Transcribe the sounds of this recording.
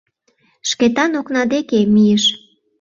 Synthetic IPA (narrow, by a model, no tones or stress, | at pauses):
ʃket̪ɑnoknɑd̪ekemijeʃ